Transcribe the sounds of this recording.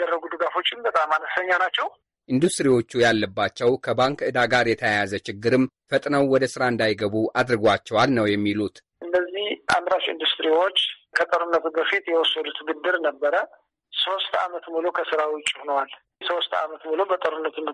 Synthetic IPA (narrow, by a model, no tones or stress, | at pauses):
d̪ərːəɡud̪ɨɡafo̞t͡ʃːɪmbət̪ʼamːanəsəɲːanat͡ʃːɛw | ʔind̪ust̪ʼɾiwo̞t͡ʃːujalːəbːat͡ʃːɛwkʰəbaŋkɨd̪aɡaɾjɛt̪ʰəjajazət͡ʃɪɡːɨɾɨm | fət̪ʼnəwwɔd̪əsɨɾaɨnd̪ajɡəβuʔad̪ɾɨɡʷat͡ʃːɛwalnəwjɛmːilut̪ʔɨnːəzːihʔa̰mɾaʃɨ̰nd̪ust̪ɾiwo̞t͡ʃːkʰət̪ʼəɾunːət̪ubəfit̪jɛwɔsːəd̪ut̪ʰɨɡɨd̪ːɨɾnəbːəɾə | so̞st̪a̰mət̪mulokʰəsɨɾawʊt͡ʃʼːhonwal | so̞st̪a̰mət̪mulobət̪ʼəɾunːət̪ʰun